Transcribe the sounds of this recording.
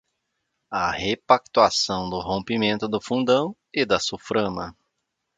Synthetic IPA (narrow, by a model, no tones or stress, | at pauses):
ɐhepak̚t̪uasɐ̃w̃d̪ʊɦõmpimẽnt̪ʊd̪ʊfũnd̪ɐ̃w̃ | ɪd̪ɐsufɾɐ̃mɐ